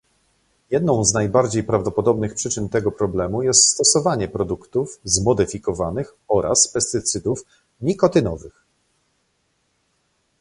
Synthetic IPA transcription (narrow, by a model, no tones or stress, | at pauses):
jɛd̪nɔ̃w̃znajbaɾd͡ʑejpɾavd̪ɔpɔd̪ɔbnɘxpʂɘt͡ʂɘnt̪ɛɡɔpɾɔblɛmujɛst̪st̪ɔsɔvaɲɛpɾɔd̪ukt̪ufzmɔd̪ɘfʲikɔvanɘxɔɾʔa̰spɛst̪ɘt̪sɘd̪uf | mʲikɔt̪ɘnɔvɘx